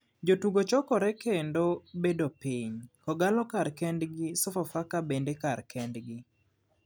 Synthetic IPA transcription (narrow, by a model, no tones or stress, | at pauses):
d͡ʒotuɡot͡ʃɔkɔɾɛkendobedopiɲkɔɡalɔkaɾkɛndɡɪsɔfafakabendekarkɛndɡɪ